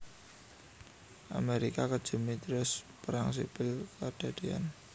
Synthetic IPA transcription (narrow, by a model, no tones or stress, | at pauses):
ʔa̰meɾikakə̥ʒ̥ə̤mit̪ɾʊspəɾaŋs̬ipɪlkaɖ̥a̤ɖ̥ea̰n